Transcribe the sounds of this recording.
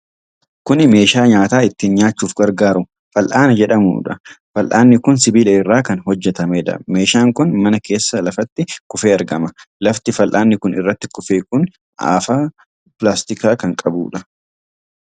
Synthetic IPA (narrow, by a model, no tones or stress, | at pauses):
kʊnɪme̞ːʃaːɲaːt̪aːɪt̪ːiːnɲaːt͡ʃːuːfɡɐɾɡaːɾʊ | fɐlʔaːnɐd͡ʒɛᶑɐmṵːᶑɐfɐlʔa̰ːnːɪkʊnsɪbiːlɐɪrːaːkɐnɦɔd͡ʒːɛt̪ɐmeːᶑɐ̰me̞ːʃaːŋkʊnmɐnɐke̞ːsːɐlɐfɐt̪ːɪkʊfe̞ːɐɾɡɐmɐlɐft̪ɪfɐlʔaːnːɪkʊnɪ̰rːɐt̪ːɪ̥kʊfeːkʊn | a̰ːfaː | pɪlaːst̪ɪkaːkɐŋkʼɐbṵːᶑɐ